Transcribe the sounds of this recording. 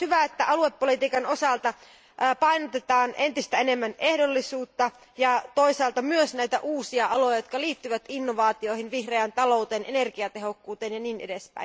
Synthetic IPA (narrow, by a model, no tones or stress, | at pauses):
hyʋæet̪ːæʔɑlue̞pːolit̪iːkɑno̞sɑlt̪ɑ | pɑjnot̪et̪ɑːnʔe̞nt̪ist̪æene̞mːæne̞hdolːisuːt̪ːɑ | jɑt̪oisɑːlt̪ɑmyøsnæjt̪æʔuːsiɑɑlo̞jɑjot̪̚kɑliːt̪ːyʋæt̪inːoʋɑːt̪io̞ihinʋihreænt̪ɑlo̞ˑut̪eːnʔene̞rkiɑt̪e̞ɦo̞kːuːt̪eːnjɑniːnʔede̞spæ̰in